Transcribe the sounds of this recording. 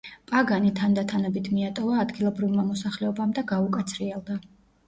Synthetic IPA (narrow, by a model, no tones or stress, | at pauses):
pʼaɡanit̪ʰand̪at̪ʰanɛbit̪ʰmiat̪ʼɔvaːd̪ɡilˠɔbɾivmamɔsaχlɛɔbamd̪aɡaukʼat̪sʰɾiɛlˠd̪a